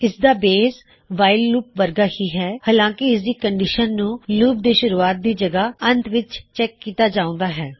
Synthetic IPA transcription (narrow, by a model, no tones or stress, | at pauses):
ɪsd̪aːbeːs | ʋaːɪlluːp̚ʋəɾɡaːhiːɦɛːhaːlãːkɪɪsd̪iːkəɳɖiːʃənːũːluːp̚d̪eːʃʊɾuːaːt̪̚d̪iːd͡ʒəɡaːənt̪ʋɪt͡ʃt͡ʃɛːkːiːt̪aːd͡ʒaːõːnd̪aːɦɛː